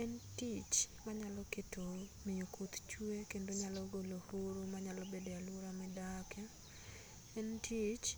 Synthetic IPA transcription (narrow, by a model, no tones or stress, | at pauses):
ɛntit͡ʃmaɲalɔketʰomɪjokʰot̪t͡ʃuekendoɲalɔɡolohoɾomaɲalɔbedealwoɾamɛdakʰɛ | ɛntʰit͡ʃ